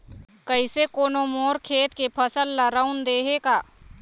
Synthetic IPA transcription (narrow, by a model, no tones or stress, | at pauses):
kəɪsekoːnomoːɾkʰeːt̪kepʰəsəlːaɾəund̪eːɦekaː